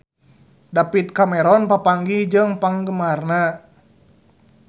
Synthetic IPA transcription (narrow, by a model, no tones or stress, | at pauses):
dapit̪̚kamɛɾɔnpapaŋɡid͡ʒɨŋpaŋɡəmarna